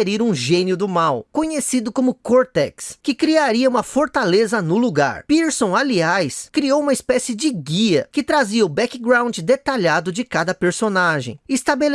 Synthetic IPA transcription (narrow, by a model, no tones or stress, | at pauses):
eɾiɾũʒẽniʊd̪ʊmawkõɲesid̪ʊkõmʊkoɾt̪ɛkskɪkɾiaɾiɐũmɐfoɾt̪alezɐnʊluɡa̰ɾpiɾsõw̃aliajskɾiowũmɐɪspɛsɪd͡ʒɪɡiɐkɪt̪ɾaziɐʊbɛkɪɡɾãw̃nd͡ʒɪd̪et̪aʎad̪ʊd͡ʒɪkad̪ɐpeɾsonaʒḛ̃j̃ɪst̪abel